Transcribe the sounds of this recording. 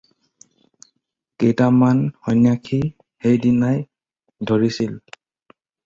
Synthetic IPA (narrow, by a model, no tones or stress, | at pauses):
kejtamanhɔjnjakʰi | hejdinaj | dʱoɹisil